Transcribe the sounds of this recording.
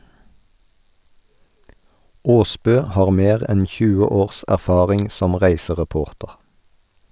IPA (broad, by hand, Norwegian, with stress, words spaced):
ˈoːˌsbøː ˈhɑːʁ ˈmeːʁ ˈɛn ˈçʉːə ˈoːʁs æʁˈfɑːʁɪŋ ˈsɔm ˈʁæɪsəʁɛˌpoːʁtəʁ